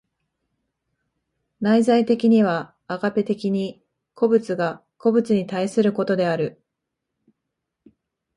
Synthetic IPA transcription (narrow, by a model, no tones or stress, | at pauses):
naizait̪e̞kʲiɲ̟iβ̞aː | ɡape̞t̪e̞kʲiɲ̟i | kʰo̞bɯ̟t͡sɨɡa | ko̞bɯ̟t͡sɨɲ̟it̪aisɨɾɯ̟ko̞t̪o̞d̪e̞aɾɯ̟